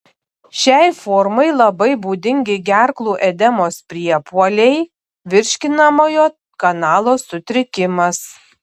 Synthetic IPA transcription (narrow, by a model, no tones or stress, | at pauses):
ʃʲɛɪfɔɾmɐɪlˠɐbɐɪbuːd̪ʲɪŋʲɡʲɪɡʲæɾklˠuːʔɛd̪ʲɛmoːspʲɾʲiɛpuɔlʲɛɪ | ʋʲɪɾʲʃʲkʲɪnɐmoːjoː | kɐnɑːlˠoːsʊt̪ʲɾʲɪkʲɪmɐs